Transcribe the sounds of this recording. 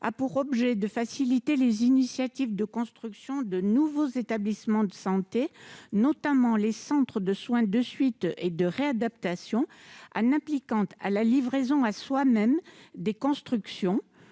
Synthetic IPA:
a̰puʁɔbʒɛd̪əfasilit̪elezinisjat̪ivd̪əkɔ̃st̪χyksjɔ̃d̪ənuvozet̪ablismɑ̃d̪əsɑ̃t̪enɔt̪amɑ̃lesɑ̃t̪χəd̪əswɛ̃d̪əsɥit̪ed̪əʁead̪apt̪asjɔ̃a̰nɛ̃plikɑ̃t̪a̰lalivʁezɔ̃aswamɛmd̪ekɔ̃st̪χyksjɔ̃

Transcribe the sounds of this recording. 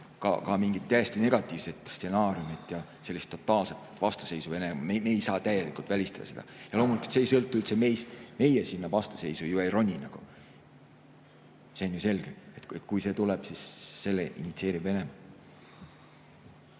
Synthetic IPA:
kɑ̰kɑmiŋɡ̥it̪̚ːæjest̪ine̞ɡ̥ɑt̪ːˑiːvse̞t̪st̪senɑːɾijumit̪jɑ | se̞lːist̪ːo̞t̪ːˑɑːlse̞t̪vɑst̪u̥se̞jsuve̞nemɑmemeːjsɑːt̪æjelikˑult̪vælʲist̪ɑ̥d̪̥ɑ̰se̞d̪ɑ̰jɑlo̞ːmulʲiku̥t̪sejsɤlt̪ːˑuylt̪seme̞ːst̪me̞jesinːɑvɑst̪u̥se̞jsujuejro̞nʲːinɑɡ̥u | se̞onjuse̞lɡ̥eet̪e̞t̪ˑkujse̞ːt̪ulɛb̥sisːe̞lːḛʔḭnit̪sie̞ːɾive̞ne̞mɑ

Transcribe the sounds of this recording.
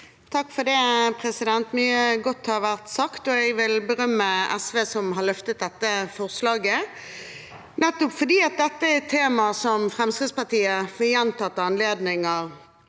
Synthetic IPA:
t̪ʰɑkːfɔɖɛpʰɾɛsɪd̪ɛnt̪myːəɡɔt̪ːhɑɾʋæʁt̪sɑkt̪ɔɛɡʋɪlbəʁœmːəʔɛsʋeːsɔmɦɑlœft̪ət̪̚d̪ɛt̪ːəfɔʁslɑːɡə | nɛt̪ːʊpfɔd̪iːɑt̪̚d̪ɛt̪ːət̪ʰeːmɑsɔmfɾɛmskɪd̪spɑt̪iːəfɔjɛnt̪ɑt̪ːɑɑnleːd̪nɪŋəʁ

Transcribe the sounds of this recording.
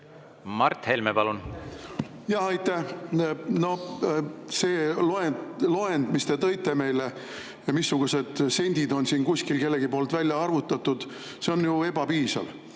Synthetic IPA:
mɑrt̪helmepɑlun | jɑhɑjt̪ːæh | no̞ | se̞ːloelo̞end̪mist̪e̞t̪ɤ̞jt̪ːˑe̞me̞jle | misːuɡ̥use̞d̪̥se̞nʲd̪̥ʲid̪o̞nsiːnkusʲkilke̞lːeɡipo̞ːlt̪vælʲjɑɑrvut̪ˑːɑt̪ːud̪̥ | se̞o̞njue̞b̥ɑpiːsɑ̰l

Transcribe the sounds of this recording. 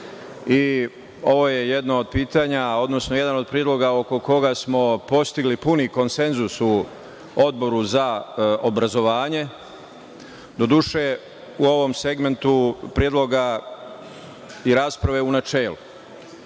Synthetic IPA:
i | o̞ʋo̞je̞jed̪naod̪̚piːt̪aːɲao̞d̪no̞snoje̞d̪ano̞d̪̚pɾied̪lo̞ɡao̞ko̞ko̞ɡasmo̞po̞st̪iɡlipuniko̞nse̞nzusu | o̞d̪̚bo̞ɾuzaobɾazo̞ʋaːɲe̞ | d̪o̞d̪uʃe | uo̞ʋo̞mse̞ɡme̞nt̪upɾjed̪lˠo̞ɡa | iɾaːspɾaʋe̞unat͡ʃeːlu

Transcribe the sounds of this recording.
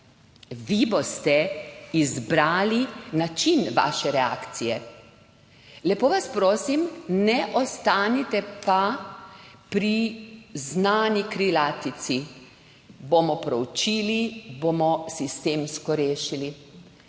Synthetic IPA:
ʋibost̪ɛizbɾaːlinat͡ʃinʋa̰ːʃɛɾɛa̰ːkt̪sijɛ | lɛpoːʋaspɾoːsimnɛʔɔst̪aːnit̪ɛpa | pɾiznaːnikɾilat̪it̪si | bomɔpɾɔwt͡ʃiːlibomɔsist̪eːmskɔɾeːʃili

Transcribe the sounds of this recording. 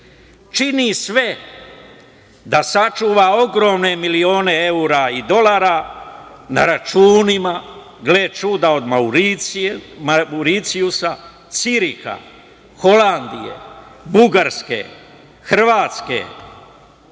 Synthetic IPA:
t͡ʃinisʋe̞ | d̪asat͡ʃuːʋao̞ɡɾo̞ːmne̞milio̞ːne̞e̞uːɾaid̪o̞laːɾa | na̰ɾat͡ʃuːnima | ɡleːt͡ʃuːd̪ao̞d̪mauɾi | uɾit̪siusa | t̪siɾixa̰ | xo̞land̪ijḛbuɡaɾskḛ | xr̩ʋaːt̪ske̞̰

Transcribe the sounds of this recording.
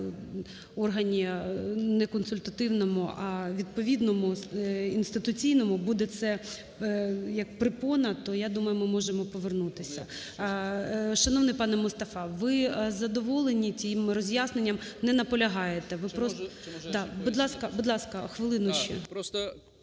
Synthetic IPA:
ɔrɦɐnʲinɛkɔnsʊlʲt̪ɐt̪ɪwnɔmʊɐʋʲid̪̚pɔʋʲid̪nɔmʊinst̪ɪt̪ʊt͡sʲijnɔmʊbud̪ɛt̪sɛ | jɐkpɾɪpɔnɐt̪ɔjad̪umɐjʊmɪmɔʒemɔpɔʋernut̪ɪsʲɐ | ʃɐnɔʋnɪjpɑnɛmʊst̪ɐfɑʋɪzɐd̪ɔʋɔlˠenʲit͡sʲjimrɔzʲjasnenʲːɐmnɛnɐpɔlʲɐɦɑjet̪ɛʋɪpɾɔs | d̪ɑbud̪lˠɑskɐbud̪lˠɑskɐxʋɪlˠɪnʊʃḭs

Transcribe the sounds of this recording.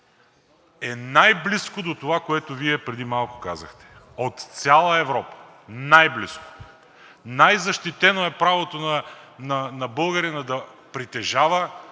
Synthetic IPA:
ɛnajbliskod̪ot̪ovakoɛt̪oviɛpɾɛd̪imalˠkʊ̥kazəxt̪ɛ̥ | ot̪t̪sʲalˠəɛvɾɔpə̥ | najblḭsko̥o | najzɐʃt̪it̪ɛnoɛpɾavot̪onɐnɐnɐbɤlˠɡəɾinɐd̪ɐpɾit̪ɛʒavə

